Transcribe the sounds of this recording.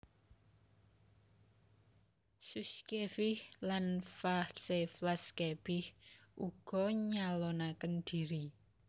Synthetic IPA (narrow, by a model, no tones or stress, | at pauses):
suskefɪhlanfahseflaskeb̥ɪhʔuɡ̥ɔɲalonakənd̪̥iɾi